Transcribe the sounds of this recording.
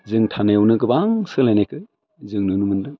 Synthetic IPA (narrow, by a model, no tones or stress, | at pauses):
zɯŋtʰanajwnɯɡɯbaŋsɯlajnajkʰɯ | zɯŋnɯnumɯndɯ